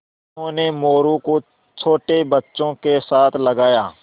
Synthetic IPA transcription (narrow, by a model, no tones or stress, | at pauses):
ɦõːnemoːɾũːko | t͡ʃʰoːʈebətːʃõːkesaːt̪ʰləɡaːjaː